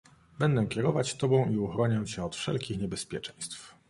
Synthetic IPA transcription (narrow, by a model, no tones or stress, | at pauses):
bɛnd̪ɛkʲɛɾɔvat͡ɕt̪ɔbɔ̃w̃ʔiuxɾɔɲɛwt͡ɕɛɔt̪fʂɛ̰lkʲixɲɛbɛspʲjɛt͡ʂɛ̃j̃st̪f